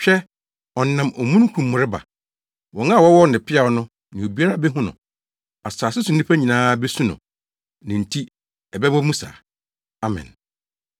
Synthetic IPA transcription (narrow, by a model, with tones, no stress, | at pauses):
ɕᶣɛ˦ | ɔ˨˦nã˨mɔ˨mũ˦n˦kʰũ˨mː˨ʊ˨ɾɪ˦ba̰˨ | wɔ̃˨ŋã˦˨wɔ˦wɔ˦n˨ɪ̃˨pʰɪ˦a˨ɔ˦nʊ̃˦ | nɪ̃˨o˨bi˦a˦ɾa˨˦˨bɛ˦ɦʊ̃˦nʊ̰̃˨ | a˨saː˨sɪ˦sʊ˨n˦ɪ̃˦pʰa˦ɲĩ˨nãː˦bɛ˦sũ˦nʊ̰̃˨ | nɪ̃˨n̩˨tʰi˦ | ɛ˨bɛ˦bɔ˦mũ˦sa̰ː˨ | a˦mɛ̰̃˨n